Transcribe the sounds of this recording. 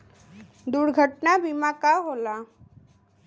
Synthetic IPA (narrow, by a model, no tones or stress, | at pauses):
d̪uɽɡʱəʈnabimakaɦoːla